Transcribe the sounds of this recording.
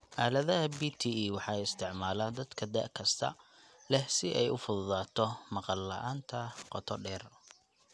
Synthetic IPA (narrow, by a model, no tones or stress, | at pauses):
ʔaːlɐðɐɦɐbiːt̪ʰiːiːwɑħɑɛjɪst̪ʰɪʕmaːlaːnd̪ɐd̪kʰɐd̪ɐ̰ʔkʰɐst̪ʰɐ̰ | lɛhsɪʔɛjʊfʊðʊðaːt̪ʰɔmɑqɑlːɐʔaːnt̪ʰɐqɔt̪ʰɔɖɛːr